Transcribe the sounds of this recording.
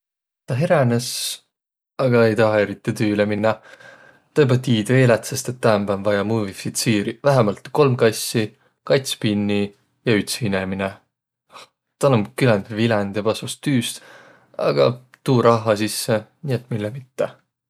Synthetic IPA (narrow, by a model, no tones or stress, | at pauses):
t̪ɑɦeɾænes | ɑɡ̥ɑe̞jt̪ɑɦɑe̞ɾit̪ːˑit̪yːleminːɑ | t̪obɑt̪iːd̪ve̞ːlet̪se̞st̪e̞t̪ːæmbonvɑjɑmuːvifsit̪siːɾivæɦɛmɑlt̪ko̞lmkɑjsːi | kɑjt̪spinːi | jɑyt̪sinemine | t̪ɑlomkylænd̪vilɛnd̪̥jɑpɑsost̪yːst̪ | ɑ̰ɡ̥ɑ̰ | t̪uːɾɑɦɑsisːeniːet̪milːemit̪ːe